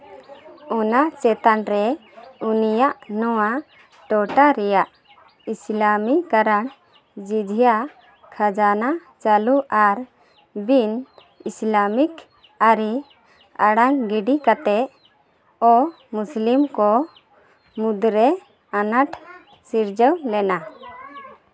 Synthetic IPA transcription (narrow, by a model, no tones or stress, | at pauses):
ɔnaʔt͡ʃɛt̪anɾɛunijaʔnɔwa | ʈɔʈaɾɛjaʔ | islamikaɾaɳ | d͡ʒid͡ʒʱija | kʰad͡ʒanat͡ʃaluʔaɾ | bin | islamik | aɾi | aɽaŋɡiɖikat̪ɛʔ | ɔ | muslimkɔ | mud̪ɾɛ | anaʈʰ | siɾd͡ʒəwlɛna